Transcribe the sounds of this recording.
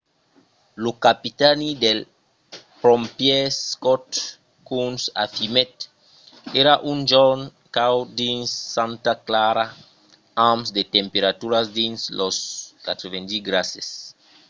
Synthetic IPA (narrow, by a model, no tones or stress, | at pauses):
lukapit̪anid̪el | pɾompjeskot̪ | kunsa̰fimet̪ | eɾaʔund͡ʒon | kawd̪insːãnt̪aklaɾa | amsd̪et̪empeɾat̪uɾasd̪insloskat̪ɾevend̪iɡɾases